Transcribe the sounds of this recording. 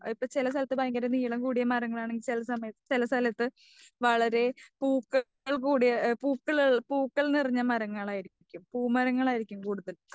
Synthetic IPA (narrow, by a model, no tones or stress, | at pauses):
ipːoːt͡ɕilɐs̬t̪ɐlɐt̪ːɨbɐjŋɡɐɾɐniːjɐɭɐmkuːɽijɐmɐɾɐŋːɐɭaːɳe̞ŋɡilt͡ɕilɐsɐmɐjɐt̪ːɨ̥t͡ɕilɐst̪ɐlɐt̪ːɨ | ʋɐɭɐɾe̞puːkːɐ | ɭkuːɽijɐpuːkːɐɭɭpuːkːɐɭniriɲːɐmɐɾɐŋːɐɭaːjiɾikʲːumpuːmɐɾɐŋːɐɭaːjiɾikʲːumkuːɽuðɐl